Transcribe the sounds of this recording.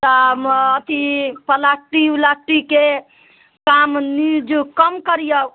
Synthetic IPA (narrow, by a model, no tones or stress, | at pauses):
t̪əət̪ipəlak̚ʈiwlak̚ʈike | kamnid͡ʒkəmkəɾijə